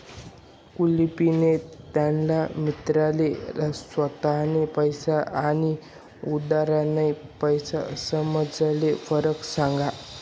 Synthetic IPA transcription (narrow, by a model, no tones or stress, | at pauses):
kulipinet̪janlamit̪ɾalelasʋət̪aɦnepəjsaani | ud̪aɾanajpəjsa̰səməd͡zalefəɾəksãŋɡa